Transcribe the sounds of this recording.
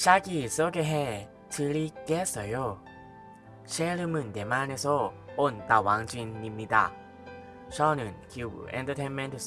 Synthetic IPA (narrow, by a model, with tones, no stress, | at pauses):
ɕa˦ɡi˨so˦ɡe˧ɦe˦ | tʰɯ˧ɾi˦ke˦s͈ʌ˨jo˦ | ɕe˦ɾɯ˧mɯ˨nte˨ma˦ne˧sʰɔ˦o˦˨nt̪a˨wa˨˦ŋd͡ʑwi˧nːi˧mɲi˧da̰˦˨ | ɕɔ˦nɯ˨nkʰi˧bṵ˨ɛ̰˧ntʰə˧tʰe˦nmẽ˦ntʰs